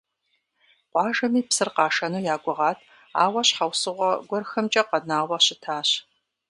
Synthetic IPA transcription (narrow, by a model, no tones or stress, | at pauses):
qʷɑːʒɐmiːpsɨrqɑːʂɐnuːjaːɡʷʊʁɑːtʰ | a̰ːwɐɕħawsɨʁʷɔɡʷɔrxɐmt͡ʃʼɐqɐnaːwʷɐɕɪtʰaːɕ